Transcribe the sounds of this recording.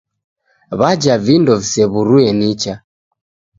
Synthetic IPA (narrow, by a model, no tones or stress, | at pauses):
βad͡ʒavindɔvisɛβuɾuɛnit͡ʃa